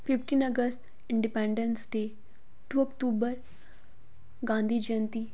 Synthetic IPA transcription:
fifʈiːnəɡəsʈ | iɳɖipẽɳɖənsɖe | ʈuəkʈubəɾ | ɡãnd̪ʱiːd͡ʒənt̪i

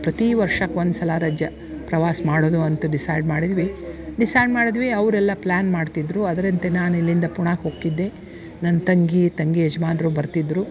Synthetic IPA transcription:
pɾɐt̪iʋɐɾʂɐkʋond̪sɐlaːɾaːd͡ʒjɐ | pɾɐʋaːsɐmaːɽoːd̪uɐnt̪ɐɖisɐjɖmaːɽid̪ʋiɖisɐjɖmaːɽid̪ʋiɐʋɾɛlːɐplaːnmaːɖt̪id̪ɾuɐd̪ɐɾɐnt̪enaːnuilːind̪ɐpuɳaːɡɦoːkːid̪ːe̞ | nɐnɐt̪ɐŋɡit̪ɐŋɡied͡ʒɐmaːnɾubɐɾt̪id̪ɾu

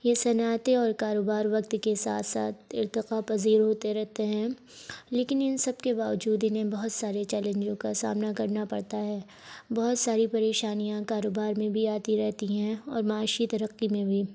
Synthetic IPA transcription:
jesɐnaːt̪eɔːɾkaːɾoːbaːɾʋɐk̚t̪kesa̰ːt̪ʰsa̰ːt̪̚ʰɪ̰ɾt̪ɪqapɐziːɾɦoːt̪eɾɛɦt̪eɦɛ̃ː | leːkɪnɪnsɐbkebaːʋəd͡ʒuːd̪ɪnɦẽbɐɦʊt̪saːɾet͡ʃɛːlẽnd͡ʒõkasa̰ːmnakɐɾnapɐɽt̪aɦɛː | bɐɦʊt̪saːɾipɐɾeːʃaːnijãkaːɾoːbaːɾmẽbʱiaːt̪iɾɛɦt̪iɦɛ̃ɔ̰ːɾmaːʃit̪ɐɾəqːimẽbʱiː

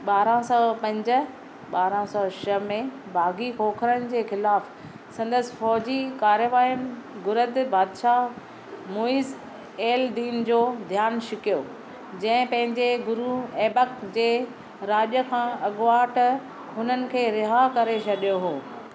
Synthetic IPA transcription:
ɓaːɾãsɔːpɐ̃ɲd͡ʑə̆ | ɓaːɾãsɔːʃɐmẽbʱaːɡikoːkʰəɾənɪ̆d͡ʑeːxɪlaːf | sɐ̃nd̪əsɪ̥̆fɔːd͡ʑikaːɾjəʋaːjəmɡʊɾəd̪baːd̪ʃa | moːiːz | eːld̪iːnd͡ʑoːd̪ʱjaːnʃɪkijo | d͡ʑɐ̃ɦɪ̃pɐ̃ɦɪ̃ɲd͡ʑeɡʊɾueːbəkd͡ʑeː | ɾaːɗjəkʰãːɐɠʋaːʈ | ɦʊnənɪ̆kʰeːɾɪɦakɐɾet͡ɕʰɐɗijoɦoː

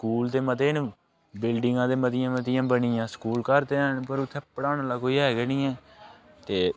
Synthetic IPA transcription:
skuːld̪eːmət̪eːn | bɪlɖɪŋɡãːd̪eːmət̪ɪjãːmət̪ɪjãːbəniːjãːsə̥kuːlkəɾt̪eːənpəɾʊt̪ʰːeːpəɽaːnaːlaːkoːiːɦɛːɡɛːnĩːɛ̃ːt̪eː

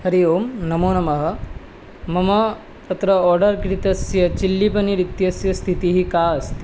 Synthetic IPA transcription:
hɐɾijoːmnɐmoːnɐmɐɦɐ̆ | mɐmɐ | t̪ɐt̪ɾɐɔːɾɖɐɾkɾit̪ɐsjɐt͡ʃilːipɐniɾit̪jɐsjɐst̪ʰit̪iɦikaːɐst̪ʰi̥

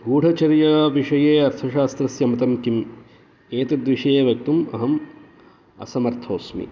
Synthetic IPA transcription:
ɡuːɖʱɐt͡ʃɐɾjɐʋiʂɐjeːɐɾt̪ʰɐʃaːst̪ɾɐsjɐmɐt̪ɐmkim | eːt̪ɐd̪ʋiʂɐjeʋjɐk̚t̪umɐ̰ɦɐm | ɐ̰sɐmɐɾt̪ʰoːsmḭ

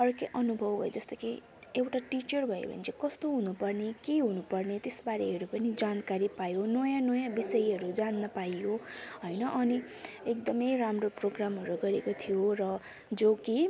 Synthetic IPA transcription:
ʌrkeʔʌnubʱʌbʌ̰jod͡zʌst̪ʌke | ewʈaʈit͡ʃʌrbʱʌḛbʱʌ̰nt͡sʰikʌst̪oɦunupʌrnekeɦunupʌrnet̪esbaɾeɦʌɾupʌnid͡zankaɾipajonʌjãnʌjãbisʌjɦʌɾud͡zanːʌpajjoɦʌjnʌʔʌni | ekd̪ʌmʌjramroproɡramɦʌɾuɡʌɾekot̪ʰijorʌ | d͡zoki

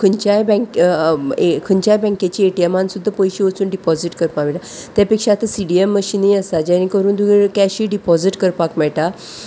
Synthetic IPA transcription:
kʰənt͡ɕajbɛ̃kekʰəɲt͡ɕajbɛ̃ŋket͡ɕiːeʈiemãnsud̪ʱːapɔjɕiʋət͡suːnɖipɔziʈkəɾpakmɛʈat̪japekʂat̪əsiɖiemːəɕinĩəsad͡ʑaɽ̃ikəɾuːnd̪uɡeɾkaɕiːɖipɔd͡ziʈkəɾpakmɛʈa

